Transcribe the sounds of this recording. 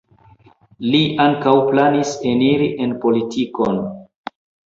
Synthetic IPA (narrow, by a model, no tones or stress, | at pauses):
liʔaŋkawplaniseniɾiʔenpo̞litʰikon